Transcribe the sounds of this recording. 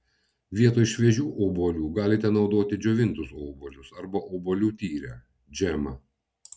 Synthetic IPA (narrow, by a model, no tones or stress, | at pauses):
ʋʲiɛt̪oːɪʃʲʋʲɛʒʲuːʔoːboːlʲuːɡɑːlʲɪt̪ʲɛnɒʊd̪oːt̪ʲɪd͡ʒʲoːʋʲɪnˑt̪ʊsoːboːlʲʊsɐɾbɐʔoːboːlʲuːt̪ʲiːɾʲæ̰ː | d͡ʒʲɛmɐ